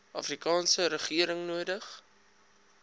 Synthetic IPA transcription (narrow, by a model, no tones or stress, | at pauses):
ʔɑfrikɑːnsəɾəχiəɾəŋnuədəχ